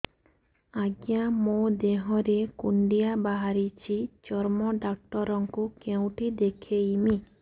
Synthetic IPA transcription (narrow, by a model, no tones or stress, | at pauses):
aɡjamod̪eɦɔɾekuɳɖiabaɦaɾit͡ʃʰit͡ʃɔɾmɔɖak̚ʈɔɾɔŋkukew̃ʈid̪ekʰeimi